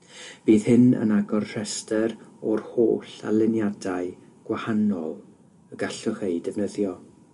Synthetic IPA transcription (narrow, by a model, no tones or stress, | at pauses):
b̥iːð̥hɪnə̰naɡɔrr̥ɛstɛɾɔrho̰ːɬa̰lˠɪnjadaɨɡ̥wahanɔlˠ | əɡaɬɔχeɨdɛvnəðjɔ